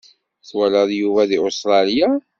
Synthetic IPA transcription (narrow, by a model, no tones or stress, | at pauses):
θwæləðˤjuvæðiost̪ɾˤɑlja